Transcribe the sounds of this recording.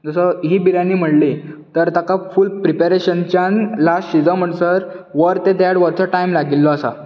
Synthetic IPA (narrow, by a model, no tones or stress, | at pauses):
d͡zəsəɦiːbiɾaniːm̤əɽlit̪əɾt̪akafuːlpɾipeɾeɕənt͡ɕjanlasɕid͡zə̃m̤əʈsəɾ | ʋəɾt̪ed̪ɽʋəɾt͡sɔʈajmlaɡilːɔːsa̰